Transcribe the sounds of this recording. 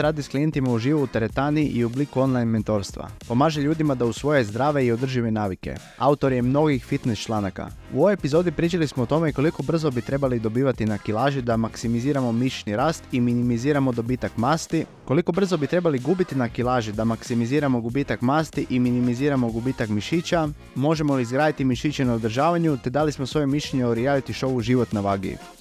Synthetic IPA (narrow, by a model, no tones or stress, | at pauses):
ɾaːd̪isklije̞nt̪imauʒiːʋuut̪eɾe̞t̪aniiʔiublikuo̞nlˠajnment̪o̞ɾst̪ʋa̰po̞maːʒeʎuːd̪imad̪ausʋo̞jezd̪ɾaːʋe̞io̞d̪r̩ʒiʋe̞naːʋike̞̰ | aut̪o̞ɾje̞mno̞ɡixfit̪nest͡ʃlˠaːnaka̰ | ṵoʋojepizo̞d̪ipɾiːt͡ʃalismoot̪o̞me̞ko̞liko̞br̩zo̞bit̪ɾe̞balid̪o̞biːʋat̪inakilˠaːʒid̪amaksimiziːɾamo̞miʃniɾaːst̪iminimiziːɾamo̞d̪o̞biːt̪akmaːst̪iko̞liko̞br̩zo̞bit̪ɾe̞baliɡubit̪inakilˠaːʒid̪amaksimiziːɾamoɡubiːt̪akmaːst̪iʔiminimiziːɾamo̞ɡubiːt̪akmiʃit͡ɕa | mo̞ʒe̞mo̞liizɡɾaːd̪it̪imiʃit͡ɕenaod̪r̩ʒaːʋaɲut̪e̞d̪alismosʋo̞jemiʃeɲeoɾijalit̪iʃo̞ʋuʒiʋo̞t̪naʋaːɡḭṵ